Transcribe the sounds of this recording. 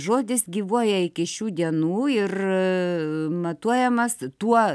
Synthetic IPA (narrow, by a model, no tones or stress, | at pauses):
ʒoːd̪ʲɪsɡʲiːʋuɔjɛɪkʲɪʃʲuːd̪ʲiɛnuːɪr | mɐt̪uɔjɛmɐst̪uɔ